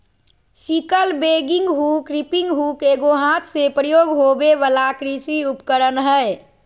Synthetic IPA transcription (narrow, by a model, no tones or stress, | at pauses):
sikəlbeɡɪ̃ŋɡɦukɾipɪ̃ŋɡɦukeɡoɦãt̪ʰsepɾəjoːɡɦobeʋəlakɾisiupkəɾənɦəe